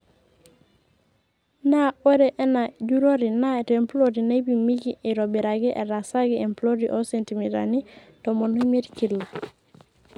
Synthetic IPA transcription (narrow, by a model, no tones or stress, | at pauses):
naoɾeʔenaɟuɾoɾinatemploɾinaibimiɡiʔeɾobiɾaɡiʔḛɾasaɡiemploɾiʔosentimiɾa̰ni | tomonumeɾkilːa